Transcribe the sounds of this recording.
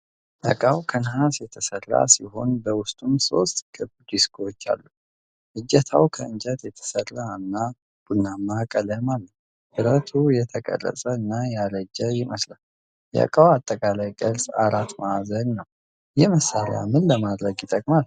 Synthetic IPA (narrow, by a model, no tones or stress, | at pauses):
ʔə̰kʼawkʰənhasjɛt̪ʰəsərːa̰siɦo̞nbəwʊst̪ʼumso̞st̪ʼkʰɨbd̪iskʰowot͡ʃːa̰lːu | ʔɨd͡ʒːɛt̪ʰawkʰəɨnd͡ʒɛt̪jɛt̪ʰə̥sərːanːa | b̥unːamːakʼələmalːə | ʔɨɾət̪ʰujɛt̪ʰəkʼə̰rːə̰sʼəɨnːajaləd͡ʒːɛjɪməslal | jə̰kʼawat̪ʼːəkʼalajɡʼəlsʼaɾat̪mazənːəw | jɛməsːalja̰mɨnləmad̪ɾəɡjɪt̪ʼəkʼmal